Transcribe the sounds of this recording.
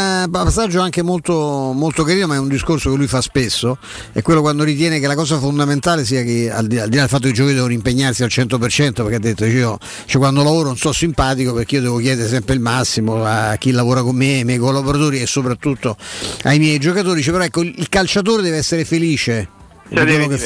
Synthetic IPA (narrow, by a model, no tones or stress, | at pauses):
papasːad͡ʒːoaŋkemolt̪omolt̪okaɾiːnomaɛund̪iskorsokelujfaspesːo | ɛ̰kwelːokwand̪oɾit̪̬jɛːnekelakɔːzafond̪ament̪aːles̬iːakea̰ld̪iaːld̪ilad̪elfat̪ːokid͡ʒɔːkid̪ɛːvonoimpeɲːarsialt͡ʃɛnt̪opert͡ʃɛnt̪opeɾkead̪ːet̪ːot͡ʃiːo | t͡ʃɛkwand̪olavoːɾononsɔsimpaːt̪ikoperkeiod̪ɛːvok̟jɛːd̪eɾes̬ɛmpɾeilmasːimoa̰k̟ːilːavoːɾakomːeajmjɛjkolːaboɾat̪oːɾiesːopɾat̪ːut̪ːoajmjɛjd͡ʒokat̪oːɾid̪it͡ʃepeɾɔɛkːoilkalt͡ʃat̪̬oːɾed̪ɛːveɛsːeɾefeliːt͡ʃe | iwellːoke